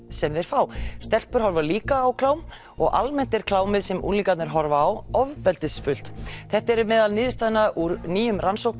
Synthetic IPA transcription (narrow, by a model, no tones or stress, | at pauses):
sɛmvɛɾ̥fawst̪ɛl̥pʏɾ̥hɔlvaliːkaːwkʰlaːwm | ɔ̰ɣa̰lmɛn̥t̪ɛɾ̥kʰlaːwmɪðsɛmʔṵnliːkat̪nɪɾ̥ɦɔɾvaːwɔvpɛlt̪ɪsfʏl̥t̪θɛht̪ɛɾʏmɛːðalnɪːðɪst̪aːðɪnaʔuɾniːjʏmrʔansowk